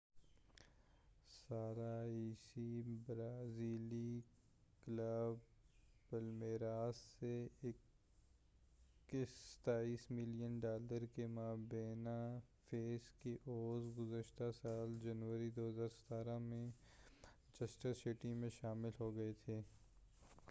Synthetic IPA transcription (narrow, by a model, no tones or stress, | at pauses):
saːɾaiːsibɾaːziːli | kləbpɐlmeːɾaːsːeɪk | isə̥t̪aːiːsmɪlijənɖaːləɾkemaːbeːnafʰeːskeʔoːzɡʊzəʃt̪asaːld͡ʒɐnʋəɾid̪oːɦəzaːɾsɐ̥t̪aːɾamẽ | t͡ʃɐsʈəsɪʈimẽʃaːmɪlɦoɡɐet̪ʰeː